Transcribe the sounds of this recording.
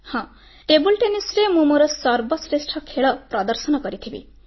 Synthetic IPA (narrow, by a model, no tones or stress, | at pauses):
hʌ̃ | ʈebulʈenisremumuɾʌsʌrbʌsresʈʰʌkʰeɭʌprʌd̪ʌrsʌnʌkʌɾit̪ʰibḭ